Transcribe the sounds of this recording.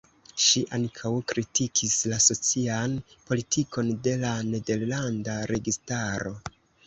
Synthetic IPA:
ʃiʔaŋkʰawkɾitikʰislaso̞t͡sianpo̞litʰiko̞nde̞lane̞de̞ɾlandaɾe̞ɡistaɾo̞

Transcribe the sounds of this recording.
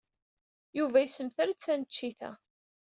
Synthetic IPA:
juvæjsəmθaɾædθænət͡ʃːiθæ̰

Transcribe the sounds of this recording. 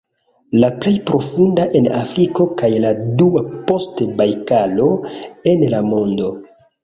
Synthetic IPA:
laple̞jpɾo̞fundaʔena̰fɾiko̞kajladuapo̞stbajkalo̞e̞nlamo̞ndo̞

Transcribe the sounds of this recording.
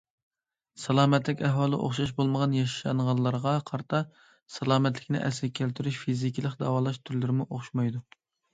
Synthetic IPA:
sɑlˠɑːmɛt̪lɪkʲɛɦwɑːlˠɨ̰ʔo̰χʃɑʃ̬bolˠməʁɑnjɑʃʃɑ̰nʁɑnˠlːˠɑɾʁɑqʰɑɾt̪ʰɑ | sɑlˠɑːmɛt̪lɪkʲnɪ̰ʔɛ̰sɪkʲʰælt̪ʰyɾyʃfizikʲilˠəqd̪ɑwɑːlˠɑʃt̪ʰyɾlɪɾɪmuʔoχʃmɑjd̪u

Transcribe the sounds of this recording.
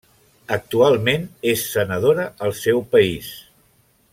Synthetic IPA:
ək̚t̪ualˠmenesːənəðoɾəəlˠsɛwpəis

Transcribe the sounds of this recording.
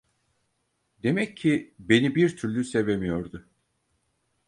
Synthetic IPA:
d̪e̞mɛcʰːibe̞nibiɾt̪ʰyɾlʲyse̞vemijo̞ɾd̪ʊ

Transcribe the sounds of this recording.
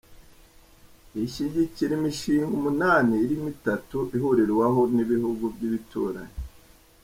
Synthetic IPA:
iʃiɟiciɾimiʃiːŋɡomunaːniːɾimitatuʔiɦoɾeɾwaɦoniβihuɡuvɟiβitʰuːɾa̰ɲi

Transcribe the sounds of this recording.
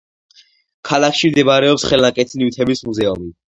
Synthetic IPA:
kʰalakʰʃimd̪ɛbaɾɛɔpsχɛlaŋkʼɛt̪ʰiniwt̪ʰɛbismuzɛumi

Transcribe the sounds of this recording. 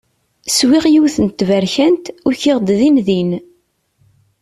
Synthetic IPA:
swiʁjiwθənt̪ːvæɾçænt̪ʊɾçɪʁd̪ðinðin

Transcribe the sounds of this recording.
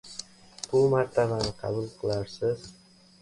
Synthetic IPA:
b̥ʊmaɾt̪ʰabanɪqʰɑ̰bʊlˠqʰɨlˠaɾsɪz

